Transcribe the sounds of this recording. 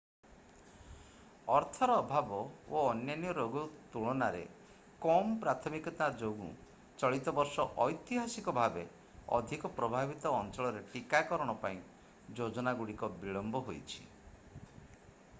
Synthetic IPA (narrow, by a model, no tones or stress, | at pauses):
ɔɾt̪ʰɔɾɔːbʱabɔoɔnjanijɔɾoɡut̪uɭɔnaɾḛ | kɔmɔpɾat̪ʰɔmikɔt̪ad͡ʒoɡṵ̃ | t͡ʃɔɭit̪ɔbɔɾsɔʔɔjt̪iɦasikɔbʱabe | ɔ̰d̪ʱikɔpɾɔbʱabit̪ɔːnt͡ʃɔɭɔɾeʈikakɔɾɔɽ̃ɔpaĩ | d͡ʒod͡ʒɔnaɡuɽikɔbiɭɔmbɔɦojt͡ʃʰi̥